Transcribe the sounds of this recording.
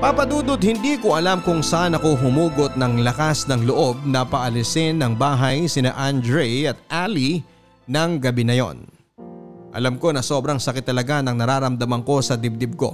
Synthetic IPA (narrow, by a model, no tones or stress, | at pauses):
pɐpɐd̪uːd̪od̪̚hɪnd̪iːkoʔɐlamkʊŋsaːnɐkoɦʊmuːɡot̪̚nɐŋlɐkasnɐŋloʔo̞b̚nɐpɐʔɐlɪsɪnːɐŋbaːɦɐjsɪna̰ʔand̪ɹɛjɐt̪̚ʔali | nɐŋɡɐbinɐjo̞̰n | ʔɐ̰lɐmko̞nɐso̞bɾɐŋsɐkɪt̪ːɐlɐɡanɐŋnɐɾaːɾɐmd̪ɐmɐŋko̞sɐd̪ɪb̚d̪ɪb̚ko̞̰